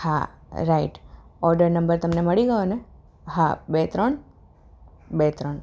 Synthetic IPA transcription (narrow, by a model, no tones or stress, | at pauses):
ha̰ɾaiʈɔɾɖəɾnəmbəɾt̪əmneməɭiɡəjone | ɦabet̪ɾəɳ | bet̪ɾəɳ